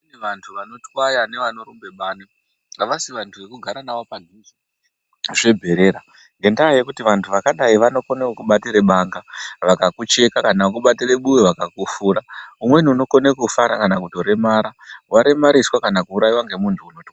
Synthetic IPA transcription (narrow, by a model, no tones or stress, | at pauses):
niʋantʰuʋano̞twajane̞ʋano̞ɾumbe̞ɓaːne | ŋɡaʋasiʋantʰuʋe̞kuɡʱaɾanaʋo̞paɡʱizi | ʐe̞bʱe̞ɾe̞ːɾa | ŋɡe̞ndajaje̞kutiʋantʰuʋakaɗaiʋano̞ko̞nekuɓatiɾeɓaːŋɡaʋakakut͡ʃe̞kakanakuɓatireɓuweʋakakufuːraumwe̞niuno̞ko̞nekufaɾakanakuto̞ɾe̞maɾawaɾe̞maɾiswakanakuːɾajiwaŋɡe̞muntʰuːnotwa